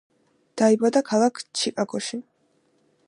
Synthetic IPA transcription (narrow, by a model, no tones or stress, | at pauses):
d̪̥aibad̪akʰalˠakʰt͡ʃʰikʼaɡʰʼɔʃi